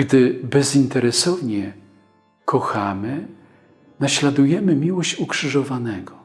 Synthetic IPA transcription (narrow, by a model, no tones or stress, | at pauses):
ɡd̪ɘbɛzint̪ɛɾɛsɔvɲɛ | kʰɔxamɘ | naɕlad̪ujɛmɘmʲiwɔɕt͡ɕukʂɘʐɔvanɛɡɔ